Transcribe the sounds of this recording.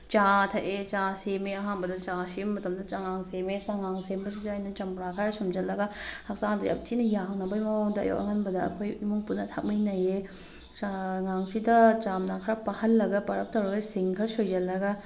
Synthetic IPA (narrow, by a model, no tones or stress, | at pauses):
t͡ʃatʰɐʔet͡ʃasemeɐɦanbɐdɐt͡ʃasimmːɐtɐmdɐt͡ʃaŋaŋsemesaŋaŋsembɐs̬id͡ʒajnɐt͡ʃamɾakʰaɾɐsumd͡ʒɐlːɐɡɐhɐk̚saŋdiʔɐ̰p̚tʰinɐjaŋnɐbɐjmɐwaŋdɐɐ̰jo̰kʔɐ̰ɦɐnbɐdɐɐ̰kʰojimuŋpunːɐtʰak̚mijnɐje | t͡ʃaŋaŋsidɐt͡ʃamnakʰɾɐpahɐnlɐɡɐpɐɾɐk̚tɐwɾɐɡɐsiŋkʰɐɾsojd͡ʒɐlːɐɡɐ